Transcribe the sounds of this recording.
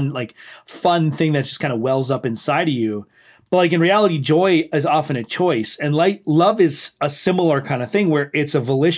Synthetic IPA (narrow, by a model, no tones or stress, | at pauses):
nlaɪkfʌ̃nθɪ̃ŋðɨt̚d̥ʒ̥ʌskʰãɪndəwɛlˠzʌpɨ̃nsaɪɾʌvjʉ | b̥ʌt̚ˡlaɪk̬ɨ̃nɹiælˠəɾid͡ʒɔɪɪzɑfɨ̃nɨt͡ʃʰɔɪsɨ̃nlaɪklʌvɪz̥əsɪ̃ml̩ˠə˞kʰãɪ̃ndɨθɪ̃ŋwə˞ʔɪtsɨvəlɪʃ